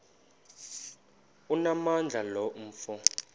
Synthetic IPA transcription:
unamand͡ɮʱalɔm̩ːfɔ

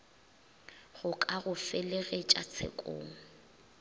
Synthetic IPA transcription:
ɣʊkʼaɣʊfɪleɣet͡ʃʼat͡sʰḛkʼo̰ːŋ̩

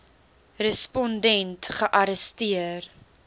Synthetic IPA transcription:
rəspɔndɛntχəʔɐɾəstiər

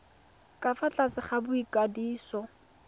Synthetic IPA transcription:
kʼafat͡ɬʼasɪχabʊikʼadiːsɔ

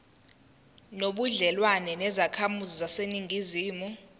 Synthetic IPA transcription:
noɓuɮɛlwanɛnɛzakʰamuzizaseniŋɡʱiziːmu

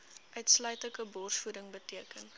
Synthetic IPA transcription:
ʔœɥtslœɥtləkəbɔrsfudəŋbətiəkən

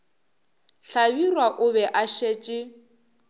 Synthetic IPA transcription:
ɬabirwaʔʊbɛʔaʃeːt͡ʃʼɪ

